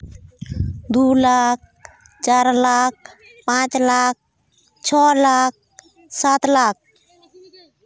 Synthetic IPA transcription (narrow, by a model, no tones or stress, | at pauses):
d̪ulak̚ | t͡ʃaɾlak̚ | pãt͡ʃlak̚ | t͡ʃʰɔlak̚ | sat̪lak̚